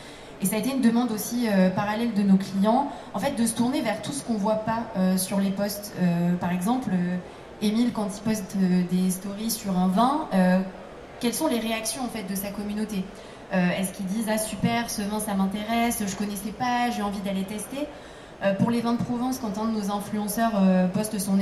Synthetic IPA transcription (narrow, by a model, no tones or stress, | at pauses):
esaet̪eynd̪əmɑ̃d̪osiøpaʁalɛld̪ənoklijɑ̃ | ɑ̃fɛt̪̚d̪əsə̥t̪uʁnevɛʁt̪usə̥kɔ̃vwapaøsyʁlepɔst̪øpaʁɛɡzɑ̃plø | emilkɑ̃t̪ipɔst̪ød̪est̪ɔʁisyʁɛ̃vɛ̃ø | kʲɛlsɔ̃leʁeaksjɔ̃ɑ̃fɛt̪̚d̪əsakɔmynot̪e | øɛskʲild̪izasypɛʁsəvɛ̃samɛ̃t̪eʁɛsʒəkɔnɛsɛpaʒeɑ̃vid̪alet̪ɛst̪e | øpuʁlevɛ̃əpχɔvɛ̃skɑ̃t̪ɛ̃d̪ənozɛ̃flyɑ̃sœʁøpɔst̪sɔ̃